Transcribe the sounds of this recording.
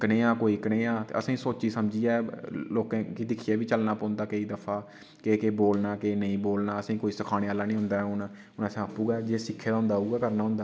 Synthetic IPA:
kəneːaːkoːiːkəneːaːt̪ḛːə̰sãiːsoːt͡ʃiːsəmd͡ʒiːaːloːkãːkiːd̪ɪkʰijaːʋiːt͡ʃəlnaːpoːnd̪aːkəiːd̪əpʰaː | keːkeːboːlnaːkeːnəĩːboːlnaːəsãːkoːiːsəkʰaːɽ̃eːaːlaːnĩːɦʊnd̪aːɛʊn | ʊnəsãːapːuːɡaːd͡ʒeːsɪkʰːeːd̪aːɦʊ̃nd̪aːɦuːɡaːkəɾnaːɦʊ̃nd̪aː

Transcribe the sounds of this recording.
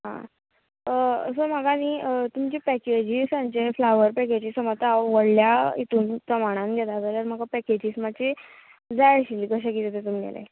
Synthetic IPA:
ɦã̰ | somaɡaniːət̪umt͡ɕipɛked͡ʑisãnt͡ɕeflaʋəɾpɛked͡ʑiːsəmat̪aaʋəɽljaḭt̪uːnpɾəmaɽ̃ãnɡʱɛt̪aɡaləɾm̤aɡapɛked͡ʑiːsmat͡ɕi | d͡zaɭɕiliɡəɕ̬akit̪et̪et̪̬umɡɛ̰lḛ

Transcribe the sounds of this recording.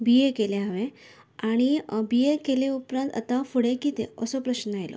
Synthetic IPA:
bijekeleaʋe | aɽ̃ibijekeleupɾãnt̪a̰t̪afuɽekit̪ḛəsopɾəɕnəajlo̰

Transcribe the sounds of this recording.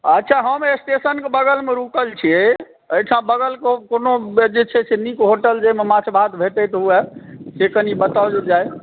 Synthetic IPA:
ətːʃʰaɦəmesʈ̪esənkebəɡəlmeɾukəlt͡ʃʰie | əjʈʰãbəɡəlkokonod͡ʒet͡ʃʰɛsʰenikɦoʈəld͡ʒememat͡ʃʰbʱad̪bʱet̪ət̪ɔuɛsekənibət̪ad͡ʒed͡ʒaj

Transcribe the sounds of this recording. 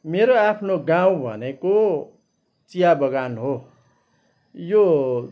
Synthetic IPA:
meɾoapʰnoɡãw̃bʱʌ̰neko | t͡sijabʌɡanɦo | jo

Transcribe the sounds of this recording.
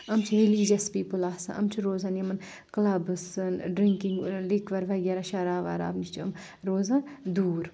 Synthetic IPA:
ɐmt͡ʃʰiɾiliːd͡ʒɐspiːpulaːsɐ̰̃ʔɐ̰mt͡ʃʰuɾoːzanɐmɐn | klɐbɨsɨnɖɾiŋkiŋɡlikʰʋɐɾʋɐɡʲɐɾaʃɐɾaːʋa̰ːɾa̰ːbnit͡ʃʰt͡ʃʰuɐm | ɾoːzand̪uːɾ

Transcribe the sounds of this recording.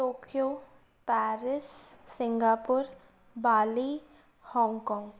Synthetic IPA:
tokʰjo | pɛːɾɪsːɪŋɡaːpʊɾ | baːli | hɔːŋɡkɔːŋɡ

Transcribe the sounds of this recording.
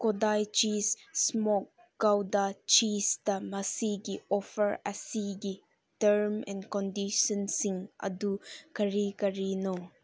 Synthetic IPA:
kɔdajt͡ʃisːmɔk̚ | ɡawdat͡ʃistɐmɐsiɡiɔfʰəɾɐsiɡi | təɾmɛ̰nkɔndisɔnsiŋʔɐ̰dukəɾikɐɾinɔ

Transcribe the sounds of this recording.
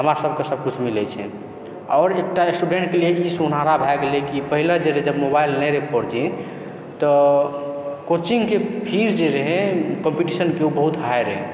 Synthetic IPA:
ɦəmɾasəb̚ʱkesəb̚kut͡ʃʰmilɛt͡ʃʰɛ̰ | ɔːɾek̚ʈaesʈuɖeɳʈkelieisunaɾabʱɛɡelekipəɦiled͡ʒeɾɦɛd͡ʒəbmobajilnəɾepɔɾd͡ʒẽ | t̪ɔ | kot͡ʃiŋɡkepʰiɾd͡ʒeɾeɦɛ̃kɔmpiʈisənkeubəɦut̪ɦajɾɦɛ

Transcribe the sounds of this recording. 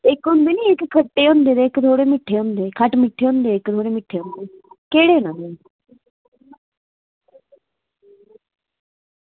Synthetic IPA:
ɪkɦʊ̃nd̪eːniːɪkkʰːəʈːeːɦʊ̃nd̪eːd̪eɪkd̪ʱoːɽeːmɪʈʰːeːɦʊ̃nd̪eːkʰəʈmɪʈʰːeːɦʊ̃ːnd̪eːɪkd̪ʱoːɽeːmɪʈʰːeːʊ̃nd̪eːkeːɽeːʊnãːnd̪eː

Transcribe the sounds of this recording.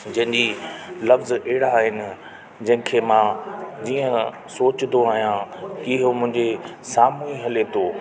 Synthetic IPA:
d͡ʑɐ̃ɦɪ̃ɲd͡ʑilɐfzɐɦɪɽaɦɪnɪ̆ | d͡ʑɐ̃ɦɪ̃kʰemãːd͡ʑiːə̃ | soːt͡ɕnd̪oaːɦijãɪɦomʊ̃ɦɪ̃ɲd͡ʑesaːmuiɦɐlet̪ʰoː

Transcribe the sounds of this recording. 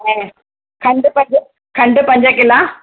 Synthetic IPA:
eː | kɐɳɖɯpɐɲd͡ʒɐ | kɐɳɖɯpɐɲd͡ʒaːk̬ːɪlːaː

